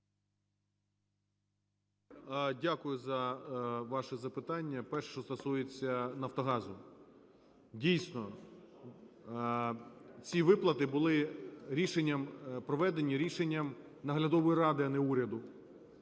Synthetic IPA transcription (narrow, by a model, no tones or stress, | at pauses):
dʲakʊjʊzɐʋɑʃɛzɐpɪt̪ɑnʲːɐpɛrʃʃt͡ʃɔst̪ɔsujet͡sʲːɐnɐft̪ɔɦɑzʊ | dʲijsʲnɔ | t͡sʲiʋɪplˠɐt̪ɪbʊlˠɪɾʲiʃenʲːɐmpɾɔʋɛd̪enʲːiɾʲiʃenʲːɐm | nɐɦlʲɐd̪ɔʋɔjirɑd̪ɪɐnɛuɾʲɐd̪ʊ